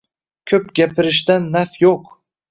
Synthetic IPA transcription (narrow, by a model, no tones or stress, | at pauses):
kʲʰɵpɡʲapʰɪɾɪʃd̪anːafjoq